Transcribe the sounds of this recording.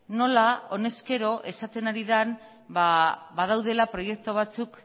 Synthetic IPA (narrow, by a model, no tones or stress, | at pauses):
no̞lao̞ne̞ske̞ɾo̞ʔe̞sat̪e̞naɾiðan | baβað̞awðe̞lapɾo̞je̞k̚t̪oβ̞at͡suk